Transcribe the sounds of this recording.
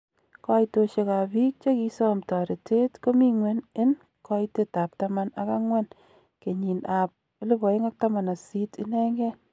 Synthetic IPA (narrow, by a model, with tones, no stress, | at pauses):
kɔ˦jto˧ʃe˧ka˨bi˦k̚t͡ʃo˦ki˧sɔ˦mtɔ˨ɾe˨te˦tko˦mi˦ŋwe˦nɪ˦n | kɔ˦ite˦ta˨p̚tama˦na̰˨ka˦ŋwɛ˦n | ke˨ɲi˨na˨p̚li˦bɔ˨ɪ˦ŋa˦k̚ta˦ma˨na˨si˦tɪ˦nɛ˦ŋɡɛ˦